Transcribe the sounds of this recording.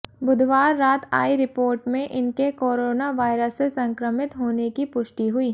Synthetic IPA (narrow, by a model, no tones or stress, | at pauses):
bʊd̪ʱʋaːɾːaːt̪ʰa̰ːiɾɪpoːɾʈmẽʔɪnkekoːɾoːnaʋaːɪɾəsːesɐ̃ŋkɾəmɪt̪ɦoːnekipʊʃʈiɦʊiː